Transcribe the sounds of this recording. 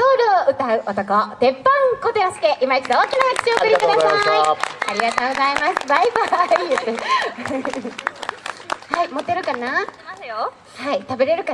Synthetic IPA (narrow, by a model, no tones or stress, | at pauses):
oːɾɯ̟oʔɯ̟t̪aɯ̟ʔot̪okot̪e̞pːãŋkot̪eɾasi̥keʔimait͡ɕid̪ooːkʲinaɡakɯ̥ɕioːkɯɾʲikɯd̪asaaiaɾʲiɡat̪oːɡozaimasɨbaibaiɯt̪ːe | haimo̞t̪ːe̞ɾɯ̟kanaasjo | hait̪abe̞ɾe̞ɾɯ̟ka